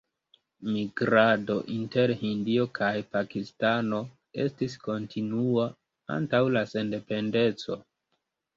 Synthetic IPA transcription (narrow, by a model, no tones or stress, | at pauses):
miɡɾado̞ʔinte̞ɾhindio̞kʰajpakistano̞ | e̞̰stis̬ko̞ntʰinua | a̰ntawlase̞nde̞pe̞nde̞t͡so̞̰